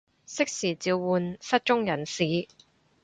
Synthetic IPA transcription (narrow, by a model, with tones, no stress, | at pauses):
sɪ˥k̚siː˨˩t͡siː˧wːuː˨nsɐ˥t̚t͡ʃʊ˥ŋjɐ˨˩nsiː˨˥